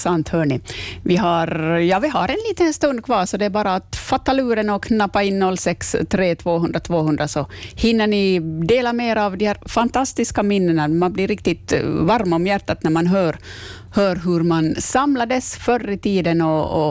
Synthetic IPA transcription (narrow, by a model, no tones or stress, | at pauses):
sant̪hœːɳɪvɪɦaɾjɑːvɪɦaɾɛnliːt̪ənst̪ɵnd̪̚kʰvɑːɾsɔd̪ɛːɾbɑːɾaːt̪fat̪ːalʉːɾənɔkʰnapːaɪnːɔlːsɛkst̪ʰɾeːt̪ʰvoːɦɵnd̪ɾat̪ʰvoːhɵnd̪ɾasɔhɪnːəɳɪd̪eːlameːɾavd̪ɪhæːɾfant̪ʰast̪ɪskamɪnːəɳamanblɪɾɪk̚t̪ɪt̪vaɾmɔmjæɾʈ̪ːat̪næɾmanɦœːɾ | hœːɾɦɵɾmansamlad̪əsfœrːɪt̪ʰiːd̪ənɔ̰ː